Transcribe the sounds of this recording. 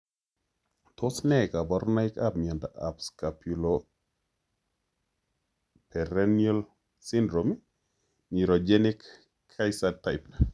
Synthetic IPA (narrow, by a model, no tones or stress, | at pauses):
tʰɔsnɛkabɔɾnaika̰p̚miandaʔa̰pskapulɔ | pɛɾɛnial | sindɾom | miɾod͡ʒɛnikʰː | ajsatajp